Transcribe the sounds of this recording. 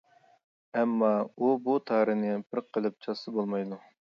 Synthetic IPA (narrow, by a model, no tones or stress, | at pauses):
ɛmːɑubut̪ʰɑːɾɨnɪbɪɾqʰəlˠɨp̚t͡ʃʰɑsɨbolˠmɑjd̪u